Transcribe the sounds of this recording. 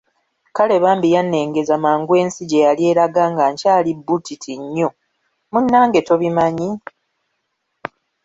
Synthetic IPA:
kale̞βaːmbijanːe̞ːŋɡe̞zamaːŋɡwe̞ːnsiɟe̞jalje̞ːɾaɡaːŋɡaɲcaːlibːutʰitʰiɲːo̞ | munːaːŋɡe̞to̞βimaɲi

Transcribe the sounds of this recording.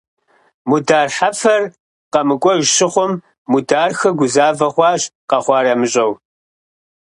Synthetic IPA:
mudaːrħafɐr | qɐmɨkʷʼɔʒʃɪχʷɔmː | udaːrxɐɡʷʊzaːvɐχʷɑːʒqɐχʷɑːɾɐmɨɕʼɐw

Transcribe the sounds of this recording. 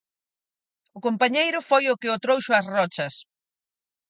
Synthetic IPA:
ʊkompaɲejɾʊfojʊkɪot̪ɾowʃʊɐsrɔt͡ʃɐs

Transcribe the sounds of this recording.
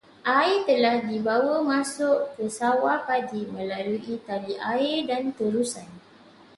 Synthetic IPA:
ʔait̪əlahdibawəmãsʊʔkəsawapadimə̃laluʔit̪aliʔaɪrdant̪əɾusan

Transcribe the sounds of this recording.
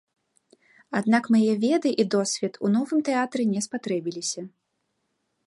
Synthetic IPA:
ad̪nakmajɛvʲɛd̪ɨʔid̪ɔsʲvʲɛt̪ʰunɔvɨmt̪ɛat̪ɾɛnʲɛspat̪ɾɛbʲilʲisʲɐ

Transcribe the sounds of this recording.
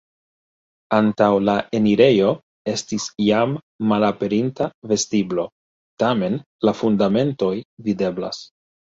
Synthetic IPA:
antawlaʔe̞niɾe̞jo̞ | e̞stisjamː | alape̞ɾintave̞stiblo̞ | tame̞n | lafundame̞nto̞jvide̞bla̰s

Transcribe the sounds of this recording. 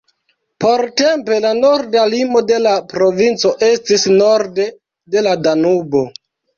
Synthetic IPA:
po̞ɾte̞mpe̞lano̞ɾdalimo̞de̞lapɾo̞vint͡so̞ʔe̞stisno̞ɾde | de̞ladanubo̞

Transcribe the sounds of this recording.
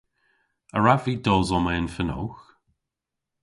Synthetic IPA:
əɹaviːdɔːzɔməənfəno̰x

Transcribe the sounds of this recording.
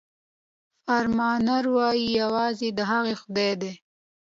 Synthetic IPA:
faɾmɑnaɾwɑjijawɑzid̪əɦaɣexʊd̪ed̪e

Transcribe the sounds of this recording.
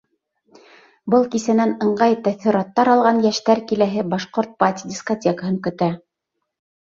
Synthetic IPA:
bɤlˠkisænænɤ̆ɴɢɑjt̪æθĭɾɑt̪ːɑɾɑlˠʁɑnjæʃt̪æɾkilæɦɘbɑʃqoɾt̪̚pat̪ʲidʲiskotʲekəɦɤŋkɵ̆t̪æ

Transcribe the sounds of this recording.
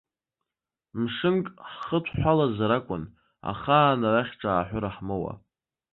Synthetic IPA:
mʂɨnkʼħχətʷʰħʷalazaɾakʷʼʊn | a̰χaːnaraχʲʈ͡ʂʼaːħᶣʷʊɾaħmɨwa̰

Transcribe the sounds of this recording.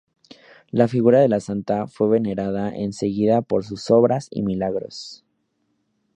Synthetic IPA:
lafiɣuɾaðe̞lasant̪afwe̞βene̞ɾaðaʔḛnse̞ɣiðapo̞ɾs̬uso̞βɾasḭmilaɣɾo̞̰s

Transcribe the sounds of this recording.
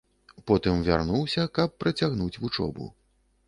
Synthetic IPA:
pɔt̪ɨmvʲa̰rnuwsʲɐkɐpːɾɐt͡sʲaɣnut͡sʲvut͡ʂɔ̰bṵ

